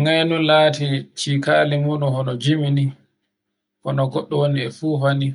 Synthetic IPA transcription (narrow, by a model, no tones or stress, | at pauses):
ŋajnulaːtit͡ʃikaːlimuːɗunhɔnɔd͡ʒimini | kɔnɔɡɔɗːɔwoniɛfuːɦani